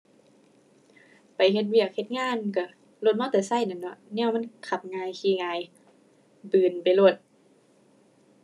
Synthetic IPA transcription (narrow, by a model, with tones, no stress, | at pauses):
pa˨jɦe˧t̪̚wi˧˩ək̚he˧t̪̚ŋaː˧˥˨nka˧˩ | lo˧˩t̪̚mɔː˧˥˨t̪ɛː˨˩sa˧˩˨jna˧˩nɔ˧˦nɛː˧˩˨wma˧˥˨nkʰa˧˩p̚ŋaː˧jkʰiː˧˩˨ŋaː˧j | bɯː˨˩npa˨jlo˧˩t̪̚